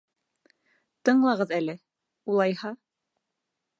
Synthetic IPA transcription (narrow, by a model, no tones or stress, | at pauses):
t̪ɤɴlˠɑʁɤðælɘ | ulˠɑjhɑ